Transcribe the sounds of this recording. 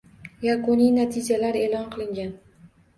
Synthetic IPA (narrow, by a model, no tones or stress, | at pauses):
jakʊnijnat̪ʰɪd͡ʒalaɾe̞ːlˠɒnqɨlˠɪŋɡʲan